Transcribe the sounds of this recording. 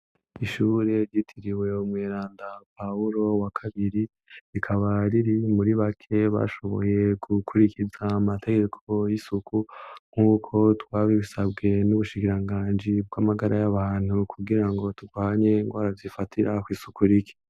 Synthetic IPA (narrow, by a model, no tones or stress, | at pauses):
iʃuɾe̞ɾɟitʰiɾiwe̞umweɾaːndapauɾo̞wakʰaβiɾi | ikʰaβaɾiɾimuɾiβakʰe̞βa̰ʃo̞βo̞̰je̞ɡukʰuɾikizaːmatʰe̞ɡe̞kʰo̞jisukʰuŋ̥uːkʰo̞twaːβiβisabɡe̞nuβuʃikiɾaŋɡaːnd͡ʒib̚ɡamaɡaɾajaβaːn̥hukʰuɡiɾaŋɡo̞tuɡwaːɲe̞ŋɡwaːɾavzifatʰiɾakwiːsukuɾiki̥